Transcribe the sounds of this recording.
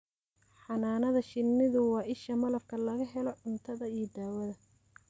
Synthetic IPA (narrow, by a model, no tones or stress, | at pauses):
ħɑnaːnɐðɐʃɪnːɪðʊwɑːʔɪʃɐmɐlɐfkʰɐlɐɣɐɦɛlɔʕʊnt̪ʰɐðɐijɞd̪aːwɐðɐ